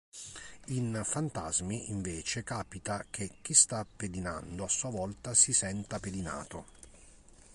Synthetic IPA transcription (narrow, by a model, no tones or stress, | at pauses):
infant̪azmiʔiɱveːt͡ʃekaːpit̪ak̟ek̟ːist̪apːed̪ina̰nd̪oasːuavɔlt̪asisɛnt̪aped̪ina̰ːt̪o